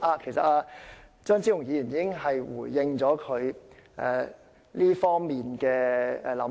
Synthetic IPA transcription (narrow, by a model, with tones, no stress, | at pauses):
aː˧kʰe˨˩jsɐ˨aː˧t͡ʃœː˥ŋt͡si˥ʊ˨˩ŋjiː˧jyː˨˩niː˧˥kɪ˥ŋɦɐ˨jwuː˨˩jɪ˧ŋt͡ʃɔː˨˥kʰɵ˨˧ɥʔɛ̰ː˨˩ | liː˥fɔː˥ŋmiː˨nkɛː˧ɛ̰˨˧lɐ˨˥